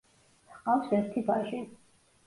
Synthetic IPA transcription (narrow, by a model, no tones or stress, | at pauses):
sqʼawsɛɾt̪ʰibaʒi